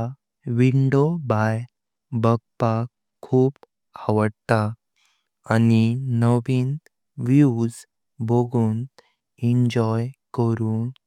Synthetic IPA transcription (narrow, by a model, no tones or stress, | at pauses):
ʋiɳɖobaj | bəɡ̚pakʰːuːp | aʋəɽt̪a | aninəʋiːn | ʋjiud͡z | bʱoɡuːn | iɲd͡ʑɔjkəɾuːn